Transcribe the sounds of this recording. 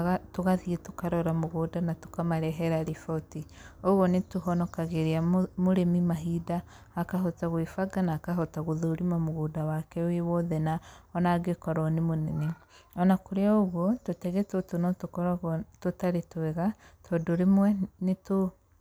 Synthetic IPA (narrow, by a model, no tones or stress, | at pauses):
ɣatoɣaðiɛtokaɾɔɾamoɣoːdanato̥kamaɾɛɦɛɾaɾifɔoti | ɔɣɔnetoɦɔnɔkaɣeɾeamoɾemimaɦidaː | kaɦotaɣwefaɡanaːkaɦɔtaɣoðoɾimamoɣodawakɛwewɔðɛnaɔnaɡekɔɾɔnemonɛneɔnakoɾeaoɣwɔtotɛɣetotonɔtokɔɾaɣtotaɾetwɛɣa | tʰɔdoɾemwɛneto